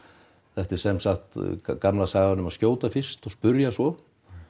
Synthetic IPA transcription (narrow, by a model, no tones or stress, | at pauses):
θɛht̪ɪɾ̥sɛmsaxt̪kamlasaːɣanʏmaðscjoːwt̪afɪ̥st̪ɔspʏɾjasvɔ